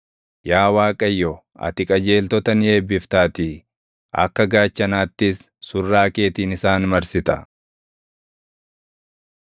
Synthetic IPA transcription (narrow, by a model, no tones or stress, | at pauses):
jaːwaːkʼɐjːɔ | ɐ̰t̪ɪkʼɐd͡ʒe̞ːlt̪ɔt̪ɐnje̞ːbːɪft̪aːt̪ɪ | ɐ̰kːɐɡaːt͡ʃːɐnaːt̪ːɪsː | ʊrːaːke̞ːt̪iːnɪsaːnmɐɾsɪt̪ɐ